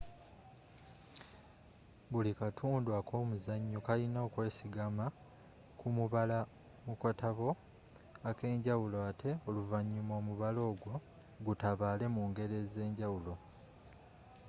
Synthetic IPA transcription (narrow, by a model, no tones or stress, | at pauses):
bulikatʰuːndwakʰo̞ːmuzaɲːokalinoːkwe̞ːsiɡama | kumuβala | mukotaβo̞ | ake̞ːɲɟawuloatʰe̞oluvaɲːumo̞ːmuβalo̞ːɡwo̞ | ɡutaβaːle̞muːŋɡe̞ɾe̞ze̞ːɲɟawulo̞